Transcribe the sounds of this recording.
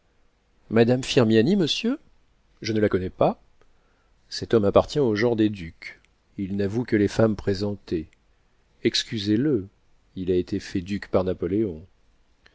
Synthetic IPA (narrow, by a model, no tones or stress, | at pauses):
mad̪amfiʁmjaniməsjø | ʒənəlakɔnɛpa | sɛt̪ɔmapaʁt̪jɛ̃oʒɑ̃ʁd̪ed̪ykʲ | ilnavukəlefampχezɑ̃t̪e | ɛkskʲyzelə | ilaet̪efɛd̪ykpaʁnapɔleɔ̃